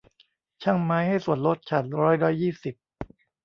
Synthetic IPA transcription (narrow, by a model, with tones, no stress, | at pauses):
t͡ɕʰa˥˩ŋmaː˦˥jha˥˩jsu˨˩ənlo˦˥t̪̚t͡ɕʰa˨˩t̪̚ɾɔː˦˥˩jɾɔː˦˥jːiː˥˩si˨˩p̚